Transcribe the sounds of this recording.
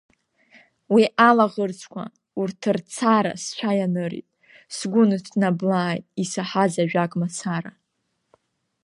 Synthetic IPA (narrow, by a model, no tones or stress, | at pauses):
wiʔalaʁərt͡sʰʼkʷʰa̰ | urtʰɨrt͡sʰaɾa̰sʃʷʰajanɨɾḭtʼ | sɡʷʊnɨtʰnablaːjtʼisaħazaʒᶣakʼmat͡sʰaɾa̰